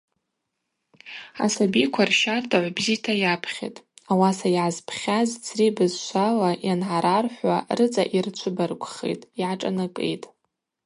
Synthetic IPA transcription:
a̰sabikʷʰarʃartʰʼaʕʷbzitʰajapʰχʲḛtʼawasajʕazpʰχʲazt͡sʰribɨzʃʷʰalajanʕaɾarħʷarɨt͡sʼa̰ʔirt͡ʃʷʰʊbarkʷʼχḛtʼjʕaʈ͡ʂʼa̰nakʼḛjtʼ

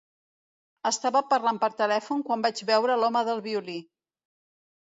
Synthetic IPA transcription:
əst̪aβəpərlampəɾt̪əlɛfuŋkwambad͡ʒβɛwɾəlɔməðəlˠβiuli

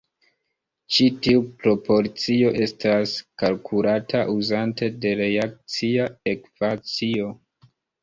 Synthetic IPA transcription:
t͡ʃitiupɾo̞po̞ɾt͡sio̞ʔe̞staskalkʰulatʰaʔuzante̞de̞ɾe̞ak̚t͡siae̞kv̥at͡sio̞

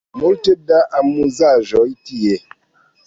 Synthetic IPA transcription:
moltedaʔamuzaʒɔitije

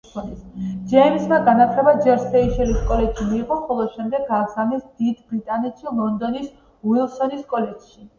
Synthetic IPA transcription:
ɔnisd͡ʒɛimismaɡanat̪ʰlɛbad͡ʒɛɾsɛiʃɛliskʼɔlɛd͡ʒʃimiːqʼɔχɔlˠɔʃɛmd̪ɛɡːaːsamɛsd̪̥id̪bɾit̪ʼanɛt̪ʃilˠɔnd̪ɔnis | wilˠsɔniskʼɔlɛd͡ʒʃi

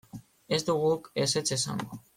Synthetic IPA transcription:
e̞zd̪uɣ̞uke̞se̞t͡se̞sa̰ŋɡo

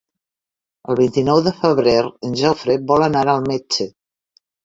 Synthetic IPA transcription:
əlˠβint̪inɔwðəfəβɾeɾənʲʒawfɾet̪̚bɔlənaɾəlˠmet͡ʃə

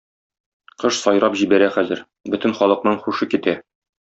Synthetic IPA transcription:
qɤʃsɒjɾɑpʑibæɾæχæzɘ̰ɾ | bɵt̪ɘ̆nχɒlˠɤ̆qnɤɴχuʃɤkit̪æ

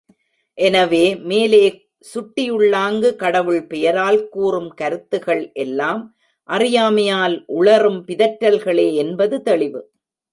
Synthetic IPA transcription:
ʔɛnɐʋeːmeːleː | sʊʈːɪjɯɭːaːŋɡɯkɐɽɐʋɯɭpɛjɐɾaːlkuːrɯmkɐɾɯt̪ːɯɣɐɭʔɛlːaːm | ʔɐrɪjaːmɐjaːlʔʊɭɐrɯmpɪðɐʈːɐlɣɐɭeːɛnbɐðɯt̪ɐɭɪʋɯ

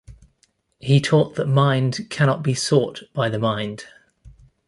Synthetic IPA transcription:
hit̪ʰɔˑʔðəʔmãɪ̃nd̥kʰañɒʔb̥isɔˑʔb̥aɪðəmãɪ̃nd̥

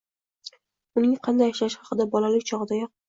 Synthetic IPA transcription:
ʊnɪŋqʰɑnd̪ajɪʃlaʃχɑqɨd̪abɒlalɪkʲt͡ʃʰɒʁɨd̪ajɒq̚

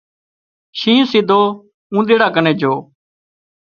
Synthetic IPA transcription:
ʃĩːũːsiːd̪ʱoː | ũːɗ̪eːɽaːkənẽːd͡ʒoː

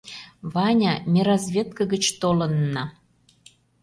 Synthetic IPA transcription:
vɑnʲɑmʲeɾɑzβʲet̪̚kəɣət͡ɕt̪olə̆nːɑ

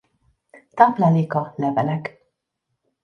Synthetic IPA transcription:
t̪aplaliːkɒlɛvɛlɛk

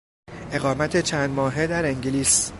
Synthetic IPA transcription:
ʔe̞ɣɒːmæt̪ʰe̞t͡ʃʰæːnd̪mɒːɦe̞d̪æɾeŋɟiliːs

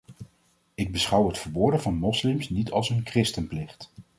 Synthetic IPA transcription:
ɪɡ̚bəsχʌwɦətfəɹboːdəvɑnmɔslɪmsnitɑ̰lˠsənkrɪstənplɪχt

